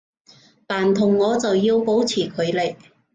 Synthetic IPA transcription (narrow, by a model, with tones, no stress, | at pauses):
paː˨˩nt̪ʰʊ˨˩ŋːɔː˨˧t͡sɐ˨wjiː˧wpo˨˥wt͡sʰiː˨˩kʰɵ˨˧ɥle˨˧˩j